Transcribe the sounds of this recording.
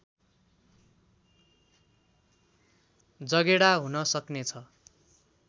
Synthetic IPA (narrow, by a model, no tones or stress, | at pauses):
d͡zʌɡeɽaɦunʌsʌknet͡sʰʌ